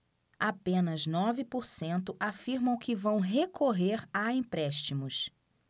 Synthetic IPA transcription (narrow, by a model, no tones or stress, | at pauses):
apẽnɐznɔvɪpoɾsẽnt̪ʊʔafiɾmɐ̃w̃kɪvɐ̃w̃ɦekʰoɦeɾaẽpɾɛʃt͡ʃimʊs